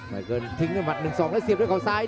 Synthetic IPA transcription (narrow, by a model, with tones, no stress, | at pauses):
ma̰˨˩kəː˧˩nt̪ʰi˧˦ŋnː˧˩ma˨˩t̚nɨ˨˩ŋsɔː˨˦ŋlaː˧˥jsi˨˩p̚ɗə˧˥˩kʰɔ˨˩saː˧j